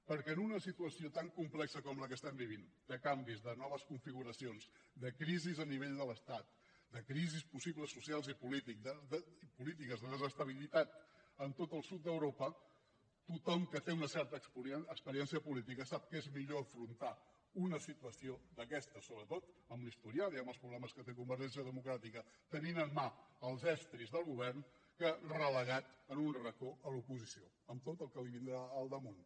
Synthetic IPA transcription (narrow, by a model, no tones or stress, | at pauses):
pəɾkɛənunəsit̪uəsiot̪aŋkumplɛksəkɔmləkəst̪ɛmbiβind̪əkambizðənɔβ̞əskuɱfiɣuɾəsionzd̪əkɾizizəniβ̞eʎd̪ələst̪at̪̚ | d̪əkɾizispusiβləsːusialˠzipulit̪ikəd̪əipulit̪̬ikəzðəðəzəst̪əβ̞ilit̪at̪̚ənt̪ot̪əlˠsut̪̚d̪əwɾopə | t̪ut̪ɔmkət̪eunəsɛɾt̪əəkspəɾiɛnsiəpulit̪̬ikəsap̚kezmiʎoəfɾunt̪a | unəsit̪uəsiod̪əkɛst̪əsoβɾət̪ot̪əmlist̪uɾijaiəməlˠspɾuβlɛməskət̪ekumbəɾʒɛnsiəðəmukɾat̪ikə | t̪əninənmaəlˠzɛst̪ɾizðəlˠɣuβ̞ɛrn | kərələɣat̪ənunrəkoəlupuzisio | əmt̪ot̪əlˠkəliβind̪ɾaːlˠd̪əmun